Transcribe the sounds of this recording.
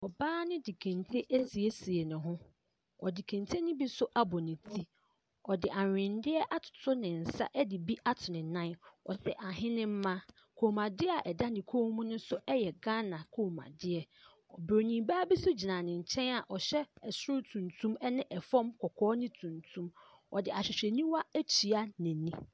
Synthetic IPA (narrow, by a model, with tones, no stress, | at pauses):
ɔ˨baː˦nɪ̃˦di˨kʰæ̃˨ntʰe˦ʔæ˦si˨e˦si˨e˨nʊ̃˨ɦʊ̃˦ | ɔ˨di˨kʰæ̃˨ntʰe˦nɪ̃˦bi˦sʊ˦ʔa˦bɔ˨nɪ̃˨tʰi˦ | ɔ˨dɪ˨ʔa˨ɪ̃˨ndɪ˦ɛ˦ʔa˦tʰʊ̥˨tʰʊ˦nɪ̃˨n̩˨sa̰˦ʔɛ˦dɪ˨bi˦ʔa˦tʰʊ˨nɪ̃˨nã˦nɔ̰˨sɛ˨ʔa˨ɦɪ̃˦nɪ̃˦m̩˦mã˦ | kʰo˨mã˨dɪ˦a˨ʔɛ˨da˦dɪ̃˨kʰo˦mũ˦nʊ̃˦sʊ˦ɛ˦jɛ˨ɡã˦nã˨kʰo˨mã̰˨dɪ˦ɛ˨ | ɔ˨bɾo˨nĩ˨baː˦bi˦sʊ˦d͡ʑi˨nã˨nɪ̃˨ɲ̩˨t͡ɕʰɛ̃˦na˨ʔɔ˨ɕɛ˦ɛ˨sʊ˦ʊ˦tʰũ˨ntʰũ˦mɛ˦nɪ̃˦ʔɛ˨fɔ̃˦mkʰɔ˨kʰɔː˦nɪ̃˦tʰũ˨ntʰũ˦m | ɔ˨dɪ˨a˨ɕᶣɪ˨ɕᶣɛ˨nĩ˦wa˦æ˦t͡ɕʰi˨a˦nɪ̃˨nĩ˦